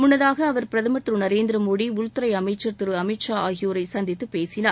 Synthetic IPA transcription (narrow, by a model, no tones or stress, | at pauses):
mʊɳːɐðaːɣɐːʋɐɾpɪɾɐðɐmɐt̪ɾɯnɐɾeːnd̪ɪɾɐmoːɽiʊɭt̪ːɯɾɐɪɐmɐɪt͡ʃːɐɾt̪ɪɾɯɐmɪʈʂaːaːɣɪjoːɾɐɪsɐnd̪ɪt̪ːɯpeːsɪnaː